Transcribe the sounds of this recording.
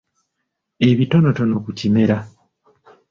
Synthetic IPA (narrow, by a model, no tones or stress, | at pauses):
e̞βito̞no̞tono̞kucime̞ɾa